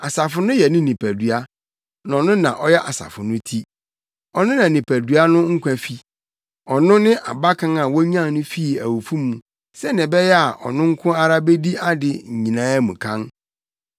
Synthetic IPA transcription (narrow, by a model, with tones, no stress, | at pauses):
a˨sa˨fʊ˨nʊ̃˦jɛ˨nɪ̃˦nĩ˨pʰæ˨dɥa˦ | nã˨nʊ̃˦nã˨ʔɔ˦jɛ˦ʔa˨sa̰˨fʊ˨nʊ̃˦tʰi˦ | ɔ˨nʊ̃˦nã˨nĩ˨pʰæ˨du˨a˦nʊ̃˦ŋ̩˦kʰʷa˨fi˦ | ɔ˨nʊ̃˦nɪ̃˦ʔa˨ba˦kʰã˦ŋa˨wɔ˦ɲ˦ã˦˨nʊ̃˦fi˦i˨æ˨wo˨fũ˦mːũ˨ | sɛ˦nɪ̃˨bɛ˦jɛ˦a˨ʔɔ̰˨nʊ̃˦ŋ̩˦kʰʊ̃˦a˦ɾa˦be˦di˦a˦dɪ˨ɲ̩˨ɲĩ˨nãː˦mũ˨kʰã˦n